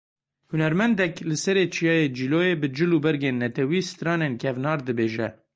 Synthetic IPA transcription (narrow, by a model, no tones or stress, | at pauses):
hʊnɛɾmɛnd̪ɛklɨsɛɾeːt͡ʃʰijɑːjed͡ʒiːlojeːbɨd͡ʒɨlubɛɾɡeːnːɛt̪ʰɛwiːsɨ̥t̪ɾɑːneːnkʰɛvnɑːɾd̪ɨbeːʒɛ̰